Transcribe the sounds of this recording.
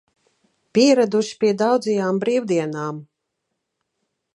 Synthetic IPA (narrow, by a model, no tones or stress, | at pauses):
pʲiɛɾad̪uʃi̥pʲiɛd̪awd̪zɛjaːmbɾiːwd̪iɛnaːm